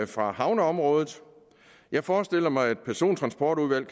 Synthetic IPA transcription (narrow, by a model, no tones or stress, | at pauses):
fʁɑ̈hɑ̈ʊnəɒ̽mʁɔ̽ːð̞ˠð̩ˠ | jɑ̈ɪfɒːsd̥e̝l̰ɐmɑ̈ɪæd̥̚pʰæɐso̝̰ːnt͡sʰʁɑ̈nsb̥ɒːd̥uðˠʋæl̰kʰ